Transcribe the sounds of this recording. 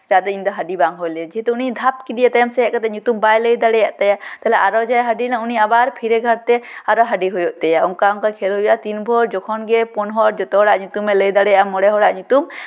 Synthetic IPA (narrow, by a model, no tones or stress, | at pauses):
d͡ʒad̪ɛĩnd̪ɔɦaɖibaŋɦolɛd͡ʒiɦit̪ɔunid̪ʱap̚kid̪ijat̪ajamsɛɛʔkat̪ɛɲut̪umbajləjd̪aɽɛjaʔt̪ɛjat̪ɛlɛʔaɾɔd͡ʒajɦaɖilãuniabaɾpʰiɾeɡʱəɾt̪ɛaɾɔɦaɖiɦojɔʔt̪ɛjauŋkauŋkakʰelɦojjat̪inbʱɔɾd͡ʒɔkʰɔnɡɛpɔnɦɔɾd͡ʒɔt̪ɔɦɔɽaʔɲut̪umːɛləjd̪aɽɛjamːɔɽɛɦɔɽaʔɲut̪um